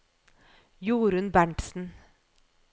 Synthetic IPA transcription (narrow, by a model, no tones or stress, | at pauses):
juːɾʉnbæɳʈsn̩